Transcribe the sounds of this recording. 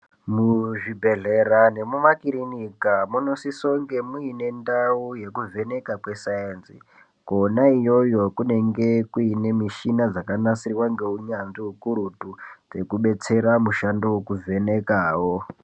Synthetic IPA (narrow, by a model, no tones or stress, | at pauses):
muʐibʱe̞ɮe̞ɾane̞mumakiɾinikamuno̞siso̞ŋɡe̞muine̞ndauje̞kuve̞ne̞kakwe̞saensḭ | konaijo̞jo̞kune̞ŋɡe̞kuine̞miʃinad͡zakanasiriwaŋɡe̞uɲanʐiukuɾutud͡ze̞kuɓe̞t͡se̞ɾamuʃandowokuvʱe̞ne̞kaːwo